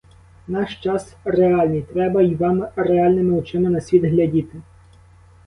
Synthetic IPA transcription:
nɑʃt͡ʃɑsreɑlʲnijt̪ɾɛbɐiʋɑmreɑlʲnɪmɪʊt͡ʃɪmɪnɐsʲʋʲid̪ɦlʲɐdʲit̪ɪ

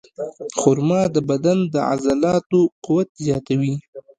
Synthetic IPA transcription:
xʊɾmɑd̪əbad̪and̪əa̰zalɑt̪oqʊwat̪zjɑt̪awi

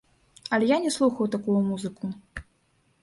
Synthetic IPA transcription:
ɐlʲɛjanʲɛslˠuxɐwt̪akujumuzɨku

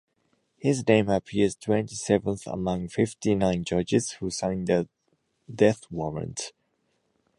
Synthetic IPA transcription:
hɪznẽɪ̃məpʰiəztʰw̥ɛ̃ntisɛvə̃nθə̰mʌ̃ŋfɪftinãɪ̃nd͡ʒʌd͡ʒɪz̥husãɪ̃nðə | dɛθwɔɹə̰̃nt

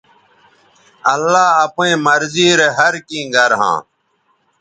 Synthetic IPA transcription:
əlːaːəpẽːməɾziːɾeɦəɾkĩːɡəɾɦã̰ː

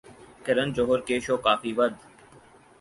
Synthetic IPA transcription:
kɪɾənd͡ʒoɦoɾkeːʃoːkaːfiːʋəd̪

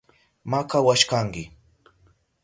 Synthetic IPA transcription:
makawaʃkaŋkɪ

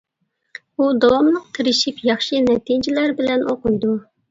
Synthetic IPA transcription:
ud̪ɑwɑmlˠəqk̪ʰʲɪɾɪʃipjɑχʃɨnɛt̪ʰid͡ʒɪlæɾbɪlɛnʔoqʊjd̪u

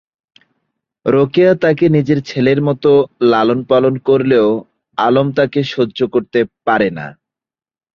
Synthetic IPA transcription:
ɾokiat̪akenid͡ʑeɾt͡ɕʰeleɾmɔt̪olalonpalonkoɾleo | alomt̪akeʃodːʑokoɾt̪epaɾena̰

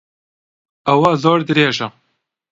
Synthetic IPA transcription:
ɐwazoːɾd̪ɨɾeːʒɐ

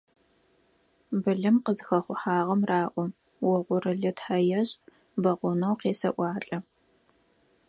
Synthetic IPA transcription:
bɨɮɨmqəzxɐχʷʊħaːʁɐmraːʔʷɔ | wɔʁʷʊrɨɮɨtħɐjɐɕʼ | bɐʁʷʊnɐwqeːsɐ̰ʔʷɑːɬʼɐ

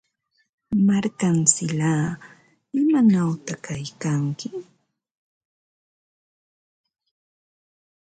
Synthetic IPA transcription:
maɾkansɪlaː | ɪmanawt̪akajkaŋkɪ

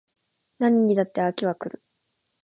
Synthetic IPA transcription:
naɲ̟iɲid̪at̪ːeakʲiβakɯ̟ɾɯ̟̰

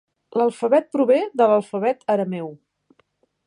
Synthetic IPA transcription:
ləlˠfəβɛt̪̚pɾuβeðələlˠfəβ̞ɛt̪əɾəmɛw

